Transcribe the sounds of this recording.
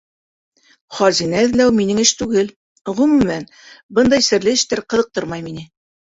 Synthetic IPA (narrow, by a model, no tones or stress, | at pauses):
χɑzinæɘ̆ðlæwminɘŋɘʃt̪ʉɡɘl | ʁɵmʉmæn | bɤnd̪ɑjsɘ̆ɾlɘɘ̆ʃt̪æɾqɤ̆ðɤ̆q̚t̪ɤɾmɑjminɘ